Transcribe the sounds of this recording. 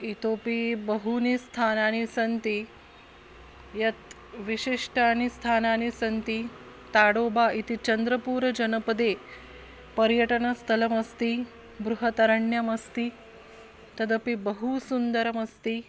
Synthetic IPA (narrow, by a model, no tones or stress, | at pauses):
it̪opibəɦunist̪ʰanañisɐnt̪i | jɐt̪ | ʋiɕiʂʈʰaanist̪ʰananisɐnt̪i | t̪aɽobait̪it͡ɕənd̪ɾəpuːɾəd͡ʑɐnəpəd̪e | pəɾjəʈəɳɐst̪ʰɐlɐmɐst̪i | bɾuɦət̪ɐɾəɳjɐmɐst̪i | t̪ɐd̪əpibəɦusund̪əɾəmɐst̪iː